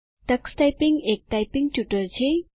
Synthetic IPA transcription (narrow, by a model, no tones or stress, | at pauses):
tɐksʈajpiŋɡek̚ʈajpiŋɡ̚ʈjuʈəɾt͡ɕʰe